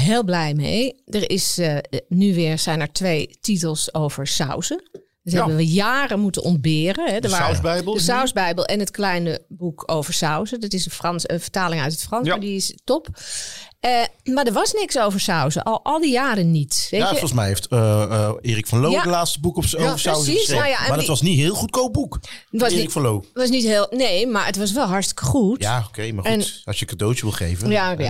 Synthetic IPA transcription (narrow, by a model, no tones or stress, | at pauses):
ɦeːlˠblɛjmḛjdəɹɪsnyʋɪːɹsɛjnɛɹtʋejtitəlˠsowv̥əɹsœ̰wzə | dɔtɦɛbənʋəjaːrəmutənʔɔnd̚bɪːrənɦɛdəɹʋaɛjbəlˠdəsawsbɛjbəlˠʔɛnətklɛjnəbukʰowvəɹsawzədɔtɪsəfrɑnsəfəɹtaːlɪŋœɥtətfrɑnsdiɪstɔp | əmaɹdəɹʋɑsnɪksowvəɹsawzə̰ʔɑlˠʔɑlˠdijaːɾənːitʋeəfɔlˠs̬mɛjɦeftəɪːɾikfɑnlowatlaːtstəbukposaəsisajaɛmadɔtʋɑsnitɦɪːlˠχut̚koːbukʋɑskfɔnlowʋɑs̬nitɦeːlˠneːmaɹətʋɑs̬ʋɛlˠɦɑɹtstɪ̥kə̥χutjaokʰejmaɛntɑsjəkadowtəʋɪlˠχejvəjaa